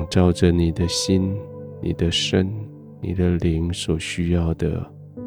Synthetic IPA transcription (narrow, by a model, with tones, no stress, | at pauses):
ŋʈ͡ʂɑ˥˩ʊd͡ʒə˨ni˨˩d̪ə˦ɕi˦nnḭ˨˩d̪ə˦ʂə˦n | nḭ˨˩d̪ə˦li˧˦ŋswɔ˨˩ɕy˦jɑ˥˩ʊd̪ə̰˩